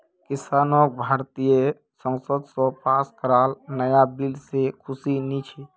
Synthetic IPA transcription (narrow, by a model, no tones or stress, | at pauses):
kɪsaːnok̚bʱaːɾt̪ijə | sə̃ŋsəd̪ʱsɔ̃paːskəɾaːlnəjabilsekʰʊsinit͡ʃʰi